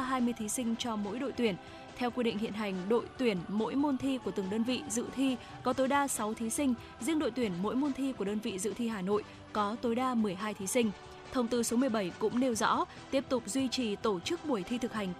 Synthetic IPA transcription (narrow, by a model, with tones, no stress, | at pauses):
ɦaː˧jmɨ˧əjt̪ʰi˨˦sï˧ŋ̟t͡ɕɔ˧mo̰˧˥jɗo̰˧˨jt̪wi˧˩ən | t̪ʰɛ˧wkwi˧ɗḭ˧˨ŋ̟hḭ˧ənɦa˨˩jŋ̟ɗo̰˧˨jt̪wi˧˩ənmo̰˧˥jmo˧nt̪ʰi˧ku˧˩t̪ɨ˨˩əŋɗəː˧nvḭ˧˨zɨ̰˧˨t̪ʰi˧ | kɔ˨˦t̪o˨˦jɗaː˧sa˨˦wt̪ʰi˨˦sï˧ŋ̟ | zḭ˧əŋɗo̰˧˨jt̪wi˧˩ənmo̰˧˥jmo˧nt̪ʰi˧ku˧˩əɗəː˧nvḭ˧˨zɨ̰˧˨t̪ʰi˧ɦaː˨˩no̰˧˨j | kɔ˨˦t̪o˨˦jɗaː˧mɨ˨˩əjɦaː˧jt̪ʰi˨˦sï˧ŋ̟ | t̪ʰə˧wŋ͡mt̪ɨ˧so˨˦mɨ˨˩əjɓə˧˩jkʊ̰˧˥ŋ͡mne˧wzɔ̰˧˥ | t̪i˦˥əp̚t̪ʊ˨˩k͡p̚zwi˧t͡ɕi˨˩t̪o˧˩t͡ɕɨ˦˥k̚ɓu˧˩əjt̪ʰi˧t̪ʰɨ˨˩k̚ha˨˩jŋ̟